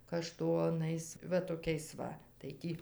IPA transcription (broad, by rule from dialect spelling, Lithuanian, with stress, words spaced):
kɐˈʃtoːnɐɪs ˈʋɐ toːˈkʲɛɪs ˈʋɐ tɐɪ ˈtʲiː